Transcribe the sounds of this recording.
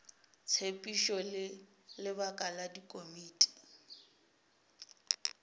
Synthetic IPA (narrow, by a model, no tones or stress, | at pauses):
t͡sʰepʼiʃɔl | lɪβakʼaladikʼomiːtʼi̥